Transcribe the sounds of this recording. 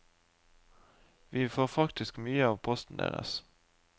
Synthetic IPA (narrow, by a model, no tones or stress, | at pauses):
ʋiːfoːʁfɑkt̪ɪskmyːəɑːʋpʰɔst̪n̩d̪ḛːʁə̰s